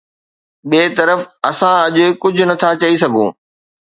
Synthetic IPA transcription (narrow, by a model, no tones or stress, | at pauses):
ɓeːt̪ɐɾəfɐsãɐʄekʊd͡ʑʱʊ̆nɐt̪ʰat͡ɕɐisɐɡʱõː